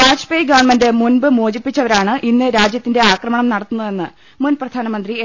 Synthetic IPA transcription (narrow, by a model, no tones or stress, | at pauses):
aːd͡ʑpejɡɐʋɐɳmendɨmunbɨmoːd͡ʑipːit͡ɕːɐʋɐɾaːɳɨʔinːɨɾaːd͡ʑjɐt̪ːinde̞aːkrɐmɐɳɐmnɐɽɐt̪ːunːɐðe̞nːɨ | munprɐd̪ʱaːnɐmɐnd̪rie